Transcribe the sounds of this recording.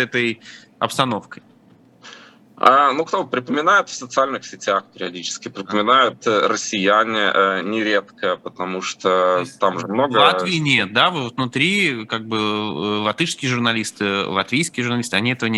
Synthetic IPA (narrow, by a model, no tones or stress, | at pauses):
ɛt̪əj | ɐpst̪ɐno̞fkəj | anukt̪opɾʲɪpəmʲɪnajʊt̪fsət̪sɨalʲnɨxsʲɪtʲaxpʲɪɾʲɪɐdʲit͡ɕɪ̥skʲɪpɾʲɪpəmʲɪnajʊt̪rəsʲɪjænʲɪʔənʲɪɾʲe̞t̪kəpət̪ɐmuʂt̪ot̪amʐɨmno̞ɡvəlˠat̪vʲɪːnʲet̪̚d̪avtvtnʊt̪ɾʲikaɡ̚bɨlˠɐt̪ɨʂskʲɪjəʐʊrnɐlʲist̪ɨlˠɐt̪vʲejskʲɪjəʐʊɾnɐlʲist̪ɨɐnʲiɛt̪əvənʲ